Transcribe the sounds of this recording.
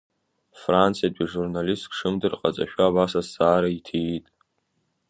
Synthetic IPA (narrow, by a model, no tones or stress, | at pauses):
frant͡sʰjatʷʼiʐurnalistkʰʂɨmdɨrqʼat͡sʼaʃᶣaːbasasaːɾaitʰetʼ